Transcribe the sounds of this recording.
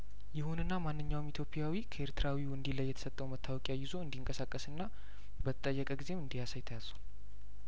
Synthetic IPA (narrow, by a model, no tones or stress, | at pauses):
jɪhunɨnːamanːɨɲːawmit̪ʰjo̞pʼijawikʰəe̞ɾt̪ɨɾawiwɨnd̪iləjːɛt̪ʰə̥sət̪ʼːəwmət̪ʰːawɔkʼjajɪzo̞ɨnd̪iŋkʼəsakʼːəsɨnːa | bət̪ʰət̪ʼəjːəkʼəɡize̞mɨnd̪ijasajt̪ʰəjazun